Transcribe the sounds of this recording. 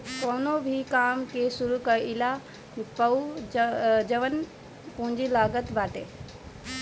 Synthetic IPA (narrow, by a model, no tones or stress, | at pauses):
koːnobʱikaːmkesuɾukɐɪla | pɐu | d͡ʒɐʋən | pũɦɲd͡ʑilaːɡət̪baːʈe